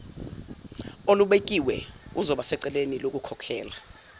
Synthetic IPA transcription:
oluɓek̬ʼiwɛ̰uzɔɓasɛǀɛlenilok̬ukʰɔkʰɛːla

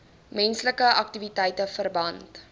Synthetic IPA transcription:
mɛnsləkəʔɐk̚tivitɛjtəfərbɐnt

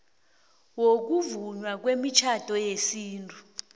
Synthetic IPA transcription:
wok̬uvuɲwak̬wemit͡ʃʰad̥ʱɔjesiːntʼu

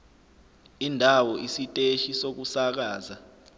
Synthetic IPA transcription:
indʱawɔisitʼeʃisok̬usak̬aːza

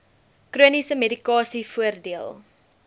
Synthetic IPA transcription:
kruənisəmedikɑːsifuərdiəlˠ

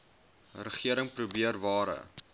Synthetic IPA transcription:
rəχiəɾəŋprubiərvɑːɾə̰

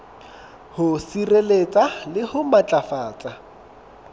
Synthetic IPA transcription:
hʊsirelet͡sʼalɪhʊmat͡ɬʼafaːt͡sʼa

